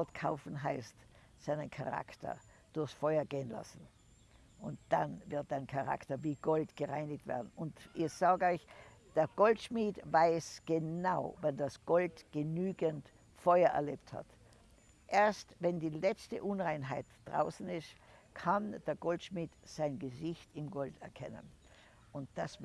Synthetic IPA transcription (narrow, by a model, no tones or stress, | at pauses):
tkʰaʊfn̩ɦaɪst | saɪnənkʰa̰ʁa̰ktɐ̰ | d̥ʊɐxsfɔʏɐɡeːənla̰sn̩ | ʔʊntd̥anvɪɐt̚d̥aɪnkʰaʁa̰ktɐviːɡ̥ɔltɡ̥əʁaɪnɪk̚tv̥ɛ̰ɐdn̩ʊntʔɪçsaːɡəɔɪç | d̥eːɐɡ̥ɔltʃmiːtvaɪsɡ̥ənaʊvɛndasɡ̥ɔltɡ̥ənyːɡənt | fɔʏɐʔɛ̰ɐleːp̚tha̰t | ʔeːɐstvɛndiːlɛt͡stə̰ʔʊnʁaɪnɦaɪtd̥ʁa̰ʊsn̩ɪstkʰand̥eːɐɡ̥ɔltʃmiːtz̥aɪnɡəzɪçtɪmɡɔltɛɐkʰɛ̰nə̰n | ʊntd̥as